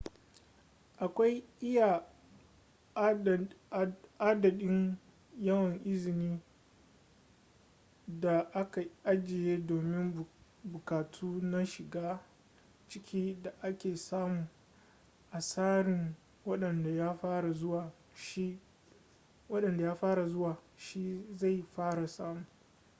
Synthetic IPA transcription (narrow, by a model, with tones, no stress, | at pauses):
ʔa˨kʷa˦jʔɪ˦ja˨ | ʔa˦dɐ˨ɗɪ˦ŋ | jɐ˦wɐ˨ŋʔɪ˦zɪ˨niː˦ | da˨ʔa˦ka˨ʔa˦d͡ʒɪ˨jeː˦doː˨mɪ˦m | bʊ˨kaː˨tʰuː˦na˦ʃɪ˨ɡaː˦ | t͡ʃɪ˦kʲʰiː˦da˨ʔa˦kʲeː˨saː˦mu˨ | ʔa˨saː˦ɽɪ˨ŋ | wɐ˦ɗɐ˨nda˨jaː˦ɸaː˦ɽa˨zʊ˦waː˨ | ʃi˦ | wɐ˦ɗɐ˨nda˨jaː˦ɸaː˦ɽa˨zʊ˦waː˨ʃi˦za˦˨jɸaː˦ɽa˨saː˦muː˨